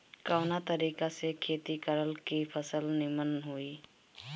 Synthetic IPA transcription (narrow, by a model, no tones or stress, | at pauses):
kaʊnat̪əɾiːkasekʰeːt̪ikəɾəlkipʰəsəlnɪmənɦuiː